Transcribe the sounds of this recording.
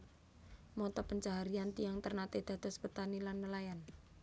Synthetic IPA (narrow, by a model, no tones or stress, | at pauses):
mɔt̪ɔpəɲt͡ʃaɦaɾiant̪ijaŋt̪ərnat̪ed̪̥a̤d̪̥ɔspət̪anilanːəlajan